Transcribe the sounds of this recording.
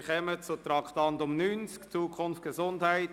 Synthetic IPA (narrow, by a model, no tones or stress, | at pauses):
χɛmət͡sʊt̪ɾɑkχtɑnt̪ʊmnyːnt͡skt͡suːkʰχʊnftɡ̥esʊndhaɪt